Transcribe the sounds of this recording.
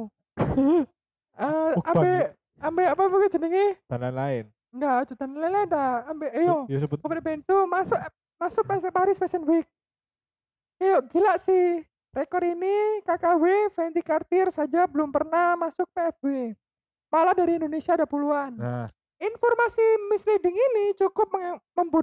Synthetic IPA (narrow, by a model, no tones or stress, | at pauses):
əambɛ | ambɛapafekad͡ʒənəŋɪt̪ananlaɪn | ŋɡat͡ʃ̪ut̪ananlainladaːmbeʔjosɔpdbɛnsumasʊk | masʊk̚pɛs̬ɛpaɦaɾispɛsənwik̚ | ijɔʔɡilaʔsɪh | rekɔɾinikakawefɛnt̪ikart̪ɪrsad͡ʒabəlʊmpərnahmasʊk̚peɛfve | malahdaɾiːndonesiadapuluana | infɔrmasimislidɪŋinit͡ʃukʊp̚məŋməmbut̪̚